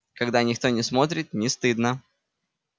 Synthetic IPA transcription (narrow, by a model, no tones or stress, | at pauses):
kɐɡd̪anʲɪkt̪o̞nʲɪsmo̞t̪̬ɾʲɪt̪̚nʲɪst̪ɨd̪nə